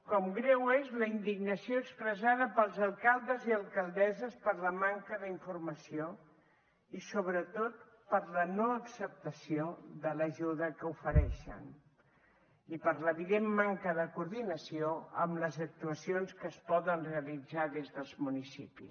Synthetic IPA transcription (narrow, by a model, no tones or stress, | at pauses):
kɔmɡɾɛwezləind̪iɡnəsioəkspɾəzaðəpəlˠzəlˠkalˠd̪əziəlˠkəlˠd̪ɛzəspəɾləmaŋkəðəiɱfurməsio | isoβ̞ɾət̪ot̪̚ | pəɾlənoəksəp̚t̪əsioðələʒuðəkəufəɾɛʃə̰n | ipəɾləβilemːaŋkəðəkuɾðinəsioə̰mləzək̚t̪uəsionskəːspɔðənreəlid͡zaðezðəlˠzmunisipḭs